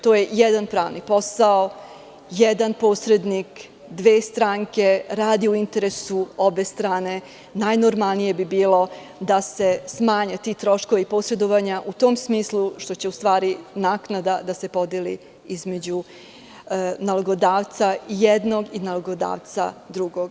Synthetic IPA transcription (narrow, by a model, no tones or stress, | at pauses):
t̪oːje̞jɛd̪anpɾaːʋnipo̞sao | jɛd̪anpoːsɾe̞d̪nik | d̪ʋeːst̪ɾaːŋke̞ɾaːd̪iuint̪e̞ɾesuobe̞st̪ɾaːne̞ | najnoɾmalˠnije̞bibiːlo̞ | d̪ase̞smaːɲat̪it̪ɾo̞ʃko̞ʋeipo̞sɾe̞d̪oʋaɲaʔut̪o̞ːmsmiːslˠuʃt̪o̞t͡ɕe̞ust̪ʋaːɾinaːknad̪ad̪ase̞po̞d̪elḭ | izme̞d͡ʑu | naloɡo̞d̪aːʋt̪saijed̪no̞ɡinaloɡod̪a̰ːʋt̪sa̰d̪ɾuɡoɡ